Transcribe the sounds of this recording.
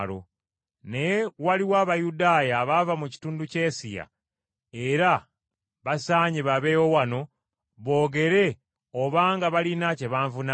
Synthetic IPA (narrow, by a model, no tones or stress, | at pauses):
lo̰ | nejewaliwaːβajudaːjaβavamuci̥tuːnduce̞ːsija̰ | e̞ɾa | βasaːɲeβaβe̞ːwo̞wano̞ | βo̞ːɡe̞ɾe̞ | oβaːŋɡaβalinace̞βaːɱvuna